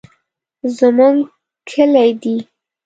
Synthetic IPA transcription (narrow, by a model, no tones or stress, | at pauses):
zəmuŋɡ | kʰəlajd̪i